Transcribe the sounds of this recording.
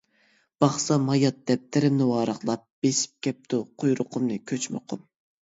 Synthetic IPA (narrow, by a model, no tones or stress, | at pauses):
b̥ɑχsɑmɑjɑt̪̚d̪ɛp̚t̪ʰɪɾɪmnɪwɑːɾəχlˠɑp̚b̥esi̥p̚kʲʰɛp̚t̪ʰʊqʰojɾʊqʰʊmnɨkʲʰøt͡ʃmɪ̰qʰʊm